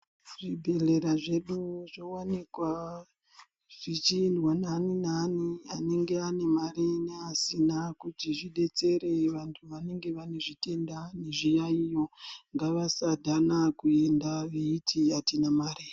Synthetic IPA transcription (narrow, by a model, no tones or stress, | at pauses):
ʐibʱe̞re̞ɾaʐe̞ɗuʐowanekwa | ʐ̥it͡ʃindwananinaniane̞ŋɡe̞ane̞mareneasinakutiʐiɗe̞t͡se̞ɾe̞ʋantʰuʋane̞ŋɡe̞ʋaneʐite̞ndaneʐijaijo̞ŋɡaʋasadʱanakue̞ndaʋeitʰiatinamaːre